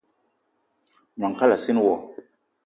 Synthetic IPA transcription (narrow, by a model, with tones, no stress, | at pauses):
n˨a˨ka˦la˨si˦n˦wɔ˨